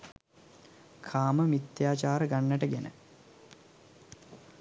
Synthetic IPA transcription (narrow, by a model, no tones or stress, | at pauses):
kʰaːməmit̪jaːt͡ʃaːɾəɡanːəʈəɡenə̰